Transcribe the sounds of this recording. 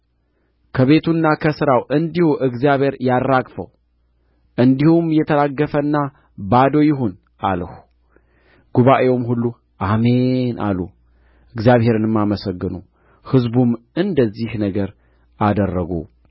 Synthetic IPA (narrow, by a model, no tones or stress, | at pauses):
kʰəβe̞t̪ʰunːakʰəsɨɾawʔɨnd̪ihuʔɨɡzjaβhe̞ɾjarːakʼfə̰w | ʔɨnd̪ihumjɛt̪ʰəlaɡːəfənːa | bad̪o̞jɪɦo̞n | ʔaləhu | ɡ̥uβaʔewomhulːu | ʔame̞nʔa̰lːu | ɨɡzjaβhe̞ɾɨnɨmːaməsəɡːɨnu | hɨzbum | ɨnd̪əzːihnəɡəɾ | ad̪ərːəɡṵ